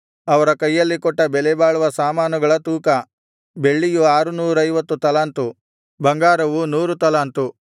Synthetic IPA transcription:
ɐʋɐɾɐkɐjːɐlːikɔʈːɐbɛlɛbaːɭuʋɐsaːmaːnuɡɐɭɐt̪uːkɐ | be̞ɭːijuaːɾunuːɾɐjʋɐt̪ːut̪ɐlaːnt̪u | bɐŋɡaːɾɐʋunuːɾut̪ɐlaːnt̪u

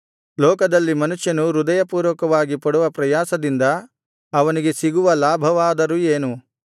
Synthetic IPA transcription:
lɔːkɐd̪ɐlːimɐnuʃjɐnuɾud̪ɐjɐpuːɾʋɐkɐʋaːɡipɐɽuʋɐpɾɐjaːsɐd̪ind̪ɐː | ʋɐniɡe̞siɡuʋɐlaːbʱɐʋaːd̪ɐɾueːnu

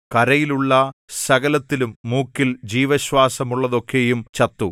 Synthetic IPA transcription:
kɐɾɐjiluɭːɐsɐɣɐlɐt̪ːilumːuːkːild͡ʑiːʋɐɕwaːsɐmuɭːɐðo̞kʰːe̞jumt͡ɕɐt̪ːu

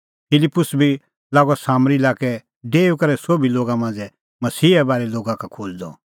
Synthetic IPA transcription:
pɪlɪpːʊsbʱi | laːɡɔsaːmɾilaːkɛ | ɖeːukɐɾɛsoːbʱiloːɡamãːnd͡zɛ | mɐsiːɛbaːɾɛloːɡãkakʰoːld̪ɔ̰

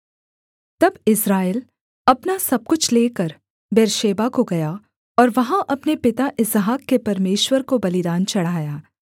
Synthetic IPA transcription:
t̪ɐbɪsɾaːel | ɐpnasɐb̚kʊt͡ʃʰleːkɐɾ | beːɾʃeːbakoɡɐja | ɔːɾʋɐɦãʔɐpnepɪt̪aʔɪsɦaːkːepɐɾmeːʃwəɾkobɐlɪd̪aːnt͡ʃɐɽ̤aːjaː

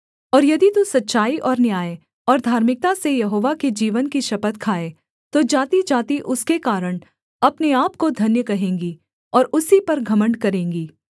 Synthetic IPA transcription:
ɔːɾjɐd̪it̪usɐtːʃaːiʔɔːɾnjaːe | ɔːɾd̪ʱaːɾmɪk̚t̪asejɐɦoːʋaked͡ʒiːʋənkiʃɐpət̪kʰaːe | t̪od͡ʒaːt̪id͡ʒaːt̪iʔʊskekaːɾəɽ̃ | ɐpneaːp̚kod̪ʱɐnjəkɐɦẽːŋɡi | ɔːɾʊsipɐɾɡʱɐməɳɖkɐɾẽːŋɡiː

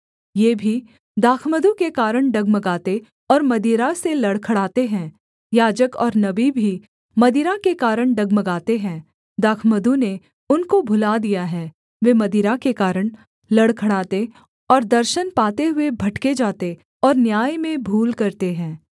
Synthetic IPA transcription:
jeːbʱi | d̪aːkʰməd̪ũkekaːɾəɳ̃ɖɐɡmɐɡaːt̪e | ɔːɾmɐd̪iːɾaselɐɽkʰɐɽaːt̪eɦɛ̃ː | jaːd͡ʒəkɔːɾnɐbibʱi | mɐd̪iɾakekaːɾəɳ̃ɖɐɡmɐɡaːt̪eɦɛ̃ː | d̪aːkʰməd̪ũne | ʊnkobʱʊlad̪ijaɦɛ̃ː | ʋeːmɐd̪iːɾakekaːɾəɳ̃ | lɐɽkʰɐɽaːt̪e | ɔːɾd̪ɐɾʃənpaːt̪eɦʊebʱɐʈked͡ʒaːt̪e | ɔːɾnjaːjmẽbʱuːlkɐɾt̪eɦɛ̃ː

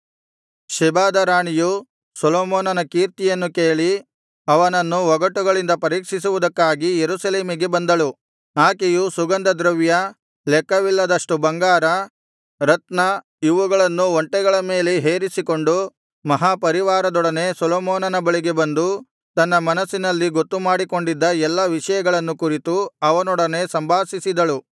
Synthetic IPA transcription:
ʃɛbaːd̪ɐɾaːɳiju | sɔloːmɔːnɐnɐkiːɾt̪ijɐnːukeːɭi | ɐʋɐnɐnːuʋɔɡɐʈːuɡɐɭind̪ɐpɐɾiːkʂisuʋud̪ɐkːaːɡijeɾusɐle̞ːmiɡe̞bɐnd̪ɐɭu | aːkejusuɡɐnd̪ɐd̪ɾɐʋjɐ | lɛkːɐʋilːɐd̪ɐʂʈubɐŋɡaːɾɐ | ɾɐt̪nɐ | iʋuɡɐɭɐnːuoɳʈɛɡɐɭɐme̞ːleɦe̞ːɾisiko̞ɳɖu | mɐɦaːpɐɾiʋaːɾɐd̪ɔɽɐne̞sɔlɔːmɔːnɐnɐbɐɭiɡe̞bɐnd̪u | t̪ɐnːɐmɐnɐsːinɐlːiɡot̪ːumaːɽiko̞ɳɖid̪ːɐɛlːɐʋiʂɐjɐɡɐɭɐnːukuɾit̪uɐʋɐnɔɽɐne̞sɐmbʱaːsisid̪ɐɭu

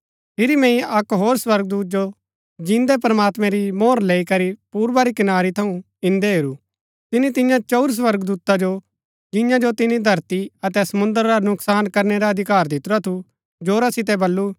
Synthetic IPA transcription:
pʰɪɾimɛ̃ĩɐkɦoːɾswɐɾɡ̚d̪uːt̪̚d͡ʒo | d͡ʒɪ̃nd̪ɛp̬ɾɐmaːt̪mɛ̃ɾimoːɾleːikɐɾipuːɾbaɾikɪnaːɾit̪ʰɐũ | ɪ̃nd̪eɦeːɾu | t̪ɪnit̪ɪ̃jãt͡ʃoʊɾs̬wɐɾɡd̪uːt̪ad͡ʒo | d͡ʒɪ̃jãd͡ʒot̪ɪnid̪ʱɐɾt̪iɐt̪ɛsɐmʊ̃nd̪əɾɾanʊksaːnkɐɾnɛɾaɐd̪ʱɪkaːɾd̪ɪt̪ɾat̪ʰu | d͡ʒoːɾasɪt̪̬ɛbɐlːu

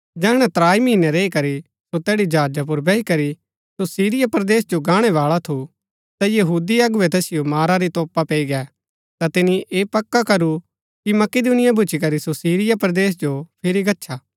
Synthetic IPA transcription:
d͡ʒɛːɽ̃ɛ̃t̪ɾaːimiːnɛɾeːikɐɾi | sot̪ɛːɽid͡ʒaːd͡ʒap̬ʊɾbɛikɐɾi | sosiːɾɪjapɾɐd̪eːsd͡ʒoɡaːɽ̃ɛʋaːɭat̪ʰu | t̪ajɐɦuːd̪iɐɡʊʋɛt̪ɛːsɪjomaːɾaɾit̪ɔːpapeːiɡɛː | t̪at̪ɪniʔeːpɐkːakɐɾu | kimɐkɪd̪unɪjabʱʊt͡ʃikɐɾisosiːɾɪjapɾɐd̪eːs̬d͡ʒopʰɪɾiɡɐtːʃʰaː

